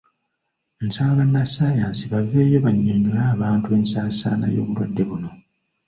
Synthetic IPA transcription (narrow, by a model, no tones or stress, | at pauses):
nsaːŋɡanːasaːjaːnsiβaveːjo̞βaɲːeɲiaːβaːntue̞ːnsaːsa̰ːna̰jo̞̰ːβulwa̰dːe̞βuno̞